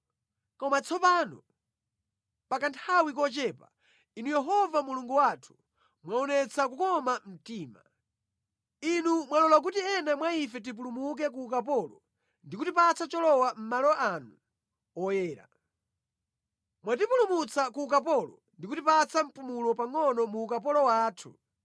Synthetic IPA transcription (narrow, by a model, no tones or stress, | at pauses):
kɔmat͡sʰɔpaːnɔ | pakantʰawik̬ɔt͡ʃɛːpa̰ | inujɛɦɔvamuluŋɡuwatʰu̥ | mwaɔnɛt͡sʰakukɔmam̩tiːma̰ | inumwalɔlak̬utiɛnamwaifɛt̬ip̬ulumuk̬ɛkuːkapɔlɔ | ndikutipat͡sʰat͡ʃɔlɔwam̩malɔʔanu | ɔjɛːɾa̰ | mwat̬ipulumut͡sakuːkap̬ɔlɔ | ndikutipat͡sʰam̩pumulɔpaŋɔnɔmuːkapɔlɔwaːtʰṵ